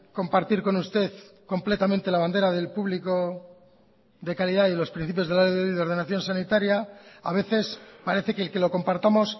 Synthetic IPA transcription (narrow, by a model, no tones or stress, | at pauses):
ko̞mpaɾt̪iɾko̞nust̪e̞θko̞mple̞t̪amẽnt̪e̞laβ̞and̪e̞ɾaðe̞lpuβliko̞ | ðe̞kaliðailo̞spɾin̟θip̬jozðelaðeiðeo̞ɾð̞e̞naθjo̞nsanit̪aɾjaaβ̞e̞θe̞spaɾe̞θe̞kelke̞lo̞ko̞mpaɾt̪amo̞s